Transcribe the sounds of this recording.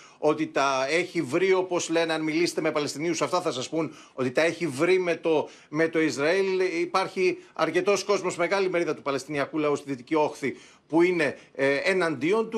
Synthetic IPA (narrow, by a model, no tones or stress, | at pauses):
o̞t̪it̪ɐe̞çivɾio̞po̞zle̞nɐnmilise̥t̪eme̞pɐle̞st̪iniusɐft̪ɐθɐsɐspun | o̞t̪it̪ɐe̞çivɾimet̪o | me̞t̪o̞izɾɐilipɐɾçiɐ̰ɾce̞t̪o̞sko̞zmo̞zme̞ɣɐlime̞ɾiðɐt̪upɐle̞st̪iniɐkulɐust̪iðit̪icio̞xθi | puine̞ːnɐnd̪io̞nt̪u